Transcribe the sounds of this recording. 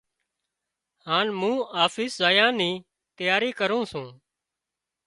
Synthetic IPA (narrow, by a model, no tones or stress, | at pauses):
haːnmũːaːfiːszaːjãːniː | t̪ɪjaːɾiːkəɾũːsũː